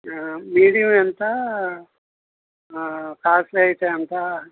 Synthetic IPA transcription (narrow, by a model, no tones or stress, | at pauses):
miːɽijɐment̪a | kaːsleɐjit̪eːɐnt̪a